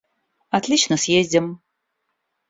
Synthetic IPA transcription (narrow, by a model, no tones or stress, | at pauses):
ɐt̪lʲit͡ɕnəsʲjezʲdʲɪm